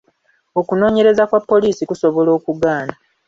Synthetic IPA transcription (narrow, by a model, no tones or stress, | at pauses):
o̞kuno̞ːɲe̞ɾe̞zakwapːo̞liːsikuso̞βo̞lo̞ːkuɡaːna